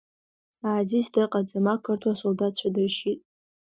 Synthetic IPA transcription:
aːzisdɨqʼad͡zamakʰɨrtʰwasoldat̚t͡ɕʷʰadɨrʃitʼ

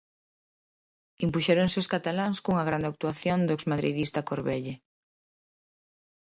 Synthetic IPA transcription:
impuʃɛɾoŋseoskat̪alaŋskuŋɐɣ̞ɾand̪eak̚t̪uaθjond̪oekszmaðɾḭðist̪akoɾβɛʎe

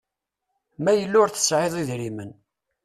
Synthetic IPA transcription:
mæjəlːʊɾθə̥sʕeðˤiðɾimən

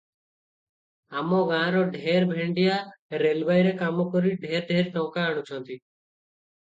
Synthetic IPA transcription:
amɔ̃ɡãːɾɔɖʱeːɾbʱẽɳɖijaɾelbajɾekaːmɔkɔɾiɖʱeːɾɖʱeːɾt̪ɔ̃ʊkaaɽ̃ut͡ʃʰɔ̃nt̪i

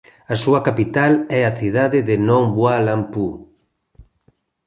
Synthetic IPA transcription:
ɐsuɐkapit̪alɛaθiðaðɪðɪnɔ̃ŋbwalampu

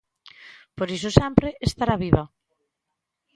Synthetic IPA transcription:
poɾis̬ʊsɛmpɾeʔest̪aɾaβiβa

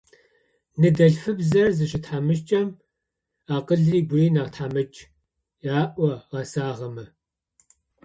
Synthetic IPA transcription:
nɨdɐɬfɨbzɐrzɨɕɪtħamɨʃ̬t͡ʃʼɐm | aːqəɮriːɡʷʊriːnaːʁtħamɨt͡ʃʼ | jaːʔʷɐʁɐsaːʁɐmɐ

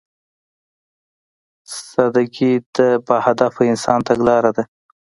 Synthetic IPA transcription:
sad̪akid̪əbahad̪afoɪnsɑnt̪aɡlɑɾad̪a

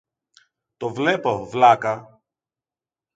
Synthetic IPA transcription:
t̪ovle̞po̞vlɐkɐ

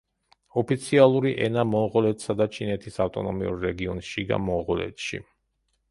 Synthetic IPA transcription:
ɔpʰit̪sʰialˠuɾiʔɛnamɔʁɔlɛt̪ʰsad̪at͡ʃʰinɛt̪ʰisaft̪ʼɔnɔmiṵɾːɛɡiɔnʃiɡa̰mɔʁɔlɛ̰t̪ʰʃḭ

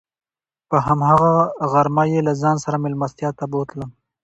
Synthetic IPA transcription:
pəɦamɦaɣaɣaɾmajelazɑːnsaɾamɪlmast̪jɑt̪abot̪ləm

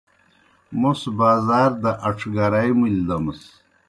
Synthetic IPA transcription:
musbaːzaːɾd̪ɐʔɐʈ͡ʂʰɡaɾajmuld̪ɐmɐs

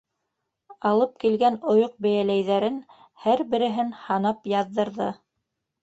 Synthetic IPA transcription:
ɑlˠɤp̚kilɡænŏjoq̚bæjælæjðæɾɘn | hæɾbɘ̆ɾɘ̆ɦɘnhɑnɑpjɑðːɤ̆ɾðɤ

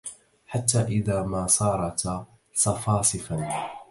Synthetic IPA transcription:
ħat̪ːaːʔɪðaːmaːsˤɑːɾˤɑt̪ | sˤɑfɑːsˤɨfan

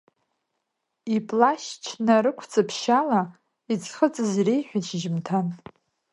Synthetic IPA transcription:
ipʼlaʃt͡ʃʰnaɾɨkʷʰt͡sʼapʰʃala | it͡sʰʼχət͡sʼɨzirejħʷᶣat͡ʃʰʒɪmtʰan

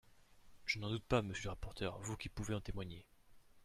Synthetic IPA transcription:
ʒ̥ənɑ̃d̪ut̪̚paməsjøləʁapɔʁt̪ʰœʁvukʲipuveɑ̃t̪emwaɲe

